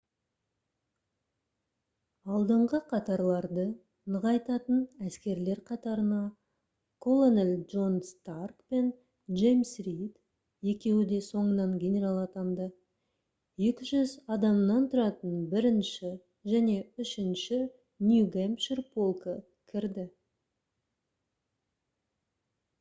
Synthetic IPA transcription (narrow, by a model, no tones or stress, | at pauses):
ɑlˠd̪əɴʁəqʰɑt̪ɑɾlˠɑɾd̪ə | nəʁɑjt̪ɑt̪ənæskʲe̞ɾle̞ɾqʰɑt̪ɑɾənɑ | kʰo̞lˠonelʲʒo̞nst̪arkpe̞n | ʒejmsrijt̪ | je̞kʲe̞wɪd̪e̞so̞ɴənɑŋɡʲe̞nʲe̞ɾalˠɑt̪ɑnd̪ə | je̞kʲɪʒʏzɑd̪ɑmnɑnt̪ʰʊɾɑt̪ənbɪɾɪnʃɪ | ʒæne̞ʏʃɪnʃɪ | njuɡempʃɪrpo̞lˠkə | kʲʰɪɾd̪ɪ